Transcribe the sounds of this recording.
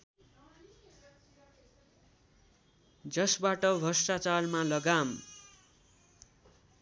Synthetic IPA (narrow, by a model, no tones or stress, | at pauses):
d͡zʌsbaʈʌbʱʌsʈat͡sarmalʌɡam